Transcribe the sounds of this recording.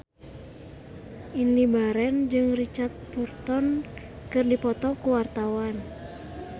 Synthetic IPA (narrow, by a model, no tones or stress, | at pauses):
ʔinibaɾɛnd͡ʒɨŋrit͡ʃart̪̚purt̪ɔn | kɨrdipɔt̪ɔkuwart̪awan